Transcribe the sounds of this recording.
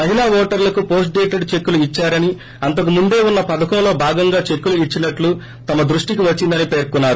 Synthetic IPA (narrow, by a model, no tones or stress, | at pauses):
mɐɦinaːʋɔːʈɐɾlɐkupo̞ːs̬ʈ̚ɖeːʈeɖt͡ʃe̞kːuluit͡ʃːaːɾɐni | ɐnt̪ɐk̬umund̪e̞ːunːɐpɐd̪ɐkɐmlo̞ːbʱaːɡɐŋɡaːt͡ʃe̞kːuluit͡ʃːinɐʈlu | t̪ɐmɐd̪ɾuʂʈikiʋɐt͡ʃːind̪ɐnipe̞ːɾkunːaːɾu